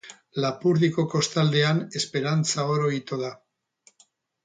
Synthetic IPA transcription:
lapuɾðiko̞ko̞st̪ald̪e̞ane̞spe̞ɾant͡sao̞ɾo̞it̪oða

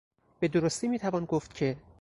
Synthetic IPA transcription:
b̥e̞d̪oɾost̪iːmiːt̪ʰævɒːnɡoft̪cʲʰe̞

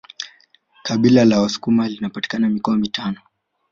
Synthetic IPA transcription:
kaɓilalawasu̥kumalinapati̥kanamikɔamitanɔ

